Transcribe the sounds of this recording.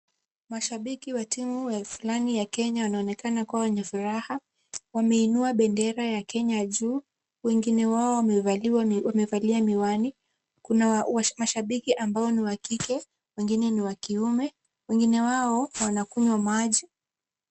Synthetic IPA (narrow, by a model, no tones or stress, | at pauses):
maʃaɓikiwatimujafulanijakɛɲawanaɔnɛkanakuawɛɲɛfuɾaha | wamɛinuaɓɛndɛɾajakɛɲaʄuː | wɛŋɡinɛwaɔ | wamɛvaliamiwani | kunawmaʃaɓikiʔambaɔniwakikɛ | wɛŋɡinɛniwakiumɛ | wɛŋɡinɛwaɔwanakuɲwamaʄi